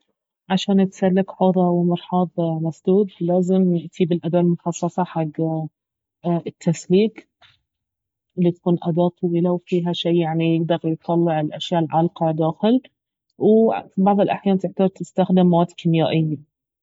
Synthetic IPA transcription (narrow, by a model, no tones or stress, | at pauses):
ʕaʃaːnɪt̪salːɪkħoðˤɑwmɑɾˤħɑːðˤmasd̪uːd̪laːzɪmjɪʔt̪ʰiːbɪlʔad̪aːʔlmʊxɑsˤːɑsˤɑħaɡː | ɪt̪ʰːasliːk | ɪlːit̪ḁkuːnʔad̪ɑːt̪ˤʰwilawfiːɦaʃiːjaʕnijɪɡd̪ɑɾˤjt̪ˤːɑlːɪʕɪlʔaʃjaːʔlʕɑlqɑd̪aːxɪl | wfibɑʕðˤɪlʔaħjaːnt̪ɪʕt̪ɑɾˤt̪ɪst̪axd̪ɪmːawaːt̪kʰɪmjaːʔɪjːa